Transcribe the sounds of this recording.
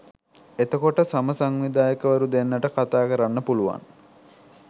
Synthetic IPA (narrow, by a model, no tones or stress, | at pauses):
et̪əkoʈəsaməsaŋʋid̪aːjəkəʋəɾud̪enːəʈəkat̪aːkəɾanːəpuluʋa̰n